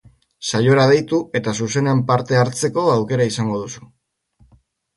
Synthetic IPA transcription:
sajo̞ɾað̞e̞jt̪ue̞t̪asuse̞nempaɾt̪e̞aɾt͡se̞ko̞awke̞ɾaisaŋɡo̞ð̞usu̥

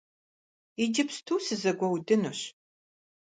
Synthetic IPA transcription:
id͡ʒɪpstʰuːsɨzɐɡʷɔwdɨnuɕ

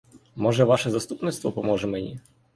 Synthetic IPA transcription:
mɔʐɛʋaʃɛzast̪upnɪt̪st̪vɔpɔmɔʐɛmɛnʲḭ

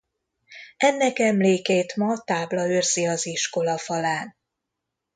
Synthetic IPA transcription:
ɛnːɛkɛmleːkeːt̪mɒt̪aːblɒøːrz̥iɒziʃko̞lɒfɒlaːn

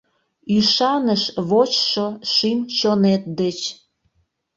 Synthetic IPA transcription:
yʃɑnəʃβot͡ɕʃoʃimt͡ɕonet̪̚d̪et͡ɕ

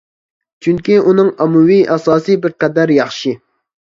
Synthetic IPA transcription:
t͡ʃʰyŋkʲiunɨŋɑmuwiʔɑsɑːsɨbɪɾqɛd̪æɾjɑχʃi

